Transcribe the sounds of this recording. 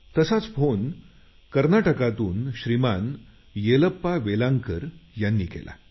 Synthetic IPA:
t̪əsat͡sfon | kəɾnaʈəkat̪uːnɕɾiman | jeləpːaʋelaŋkəɾjanːiːkḛlʔa̰

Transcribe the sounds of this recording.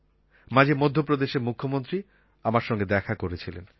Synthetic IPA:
mãd͡ʑʱemod̪ʱːopɾod̪eʃeɾmukʰːomont̪ɾi | amaɾʃɔŋɡed̪ɛkʰakoɾet͡ɕʰilḛn

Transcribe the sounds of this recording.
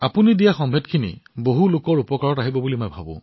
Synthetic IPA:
apunidijaxɔmbʱɛtkʰinḭboɦulʊkɔɹupɔkaɹɔtaɦibɔbulimojbʱa̰bʊ̰̃

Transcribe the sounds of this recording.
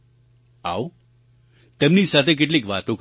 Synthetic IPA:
a̰o | t̪ɛmnisat̪ʰek̬eʈ̬liːkʋat̪õk

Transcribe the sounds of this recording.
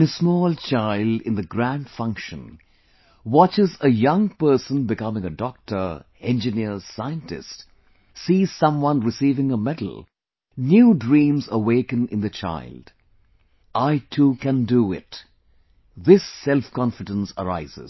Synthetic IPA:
nəsmɔːlˠt͡ʃʰaɪldɪ̰̃nðɨɡɹæ̃nd̥fʌ̃ŋkʃə̃n | wɑt͡ʃɪzəjʌ̃ŋpɜ˞sə̃nbɨkʌmɪ̃ŋədɔk̚tʰə˞ | ɛ̃nd͡ʒɨnɪɹsaɪə̃ntɪ̰st | siːz̥sʌ̃mwʌ̃nɹɨsivɪ̃ŋəmɛdl̩ˠ | njuːdɹĩːmzəweɪkɨ̃nɨ̰̃nðɨt͡ʃʰa̰ɪld̥ | ʔaɪtʰukɨ̃nduɪ̰t | ðɪsɛlfkɑ̃nfɨdə̃nsə̰ɹa̰ɪzɪ̰z

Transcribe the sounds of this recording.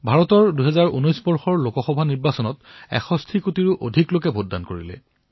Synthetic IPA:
bʱaɹɔtɔɹduɦɛzaɹʔṵnɔjsbɔɹxɔɹlokɔxɔbʱaniɹbasɔnɔtɛ̰xɔstʰikutiɹʊʔodʱiklokɛbʱodːa̰nkoɹḭlɛ̰

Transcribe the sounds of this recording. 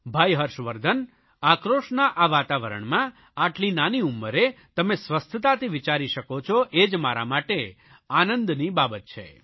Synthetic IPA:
bʱajɦəɾʃʋəɾd̪ʱən | akɾoʃnaʔaʋat̪aʋəɾə̰ɳmã | aʈlinaniumːəɾe | t̪əmesʋəst̪ʰət̪at̪iʋit͡ʃaɾiʃəkot͡ʃʰoʔed͡ʒmaɾa̰maʈe | anənd̪nibabət̪̚t͡ʃʰḛ

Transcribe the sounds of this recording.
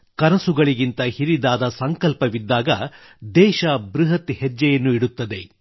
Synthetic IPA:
kɐnɐsuɡɐɭiɡint̪ɐhiɾid̪aːd̪ɐsɐŋkɐlpɐʋid̪ːaːɡɐ | d̪ɛːʃɐbɾiɦɐt̪hɛd͡ʒːɐjɐnːuiɽut̪ːɐd̪e̞

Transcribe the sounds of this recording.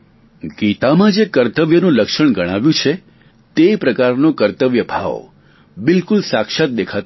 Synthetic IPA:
ɡit̪amãd͡ʒekəɾt̪əʋjənũləkʃəɳ̃ɡəɽ̃aʋjũt͡ʃʰe | t̪epɾəkaɾnokəɾt̪əʋjəbʱa̰ʋ | bɪlkulsakʃat̪̚d̪ekʰat̪

